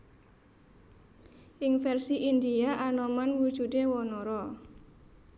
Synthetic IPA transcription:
ʔiŋfɛrsiʔind̪iaʔanɔmanwud̥ʒ̥ṳdewɔnɔɾɔ

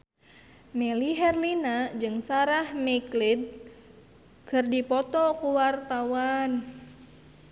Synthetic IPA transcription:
mɛliɦɛrlinad͡ʒɨŋsaɾahmɛklid̪̚ | kɨrdipɔt̪ɔkuwart̪awan

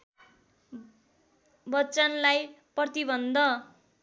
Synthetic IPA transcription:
bʌtːst͡sanlaj | prʌt̪ibʌnd̪ʱʌ

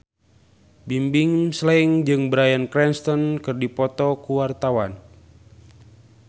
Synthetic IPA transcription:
bimbɪŋslɛŋd͡ʒɨŋbəɾajankɾɛnst̪ɔnkɨrdipɔt̪ɔkuwart̪awan

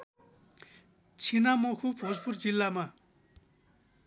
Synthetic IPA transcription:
t͡ɕʰinamokʰupʰosport͡ɕilːama

